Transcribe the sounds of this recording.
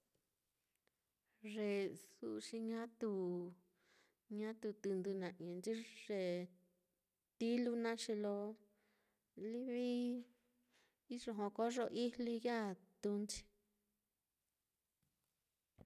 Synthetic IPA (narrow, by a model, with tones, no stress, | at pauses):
ʐe˨˧˨su˦ʔʂi˧ɲã˦t̪u˧˨ | ɲã˦t̪u˧˨t̪u˧nd̪u˧nã˨ĩ˨nd͡ʒi˦ʐe˨ | t̪i˦lu˦nã˦ʂi˧lo˧ | li˦βi˦ | i˦ʐo˧ɦõ˧ko˦ʐo˧ʔi˦li˧ja˦˨t̪u˧nt͡ʃi̥˧